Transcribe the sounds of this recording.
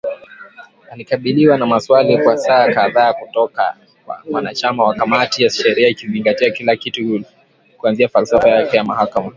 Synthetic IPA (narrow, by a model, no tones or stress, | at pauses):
alikaɓiliwanamaswalikwasaːkaðaːkutɔka̰ | kwa̰wanat͡ʃamawakamatijaʃɛɾiaikiziŋɡatiakilakituhul | kuanziafalsɔfajakɛjamahakama